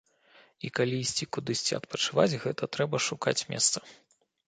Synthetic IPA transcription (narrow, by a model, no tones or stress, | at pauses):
ikalʲiːsʲt͡sʲikud̪ɨsʲt͡sʲiɐ̰t̪pɐt͡ʂɨvat͡sʲɣɛt̪ɐt̪ɾɛbɐʂuka̰t͡sʲmʲɛ̰st̪sɐ̥